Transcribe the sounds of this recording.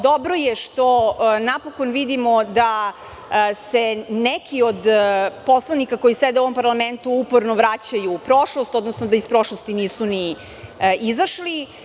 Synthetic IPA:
d̪obɾo̞jeʃt̪o̞napokonʋid̪imo̞d̪a | senekʰiod̪poslˠanikako̞jisɛd̪oʋo̞mpaɾlˠament̪uupoɾnoʋɾat͡ɕajupɾoʃlˠost̪o̞d̪nosnod̪aispɾo̞ʃlost̪iniːsuni | ʔizaʃli

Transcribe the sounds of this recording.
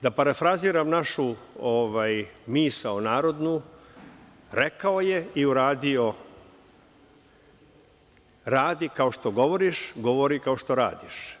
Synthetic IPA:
d̪apaɾafɾaziːɾamnaʃuoʋajmiːsaonaːɾo̞d̪nu | ɾe̞kaoje̞iuɾaːd̪io | ɾaːd̪ikaoʃt̪o̞ɡo̞ʋoɾiʃɡo̞ʋoɾikaoʃt̪o̞ɾa̰ːd̪iʃ

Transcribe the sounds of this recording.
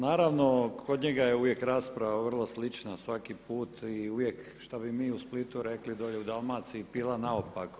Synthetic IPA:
naːɾaʋno̞kʰod̪ɲeɡajeuʋjekɾaːspɾaʋaʋr̩lˠoslit͡ʃnasʋakipuːt̪iuʋjek | ʃt̪abimiːusplit̪uɾeklid̪oʎeud̪alˠmaːt̪siːpiːlˠanaopak

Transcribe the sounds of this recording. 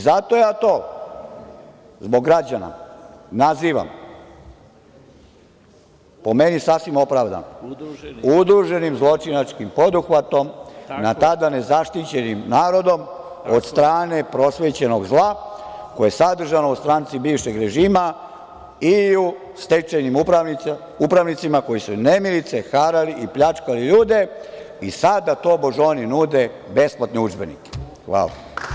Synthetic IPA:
zat̪ojaːt̪o̞ː | zbo̞ɡɡɾad͡ʑana̰naziːʋa̰m | po̞menisafsʋimo̞pɾaʋd̪a̰no | ud̪ɾuʒe̞nimzlˠo̞t͡ʃinat͡ʃkimpo̞d̪uxʋat̪o̞mnat̪ad̪ane̞zaʃt̪it͡ɕe̞nimnaːɾo̞d̪o̞m | od̪st̪ɾaːne̞pɾo̞sʋet͡ɕe̞no̞ɡzlˠakojesad̪r̩ʒanoust̪ɾaːnt̪sibiːʋʃeɡɾe̞ʒiːma | iu | st̪et͡ʃenim | upɾaʋnit̪simako̞jisunemilit̪sexaɾaliʔipʎat͡ʃkaliʎuːd̪e̞ | isad̪ːat̪o̞boʒo̞ninud̪e | be̞splat̪niud͡ʒbenḭke̥ | xʋa̰ːla̰

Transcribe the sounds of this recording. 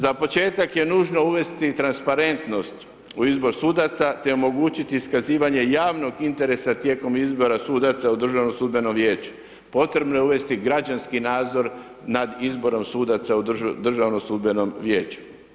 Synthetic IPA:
zapo̞t͡ʃe̞ːt̪akje̞nuːʒno̞uʋe̞st̪it̪ɾanspaɾe̞nt̪no̞st̪ | uizbo̞ɾsud̪at̪sat̪e̞o̞mo̞ɡuːt͡ɕit̪iːskaziːʋaɲe̞jaːʋno̞ɡint̪e̞ɾe̞sat̪je̞ːko̞mizbo̞ɾasuːd̪at̪saud̪r̩ʒaʋno̞suːd̪be̞no̞mʋje̞ːt͡ɕu̥ | po̞t̪ɾe̞bno̞jeuʋe̞st̪iɡɾad͡ʒanskinaːd̪zo̞ɾ | nad̪izbo̞ɾo̞msud̪at̪saud̪d̪r̩ʒaʋno̞sud̪be̞no̞mʋjeːt͡ʃu̥

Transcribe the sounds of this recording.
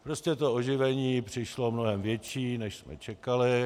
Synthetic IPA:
pɾoscɛt̪o̞oʒɪvɛɲiːpr̝̥ɪʃlo̞mnoɦɛmvjɛt͡ʃiːnɛʃsmɛ̰t͡ʃɛkalɪ

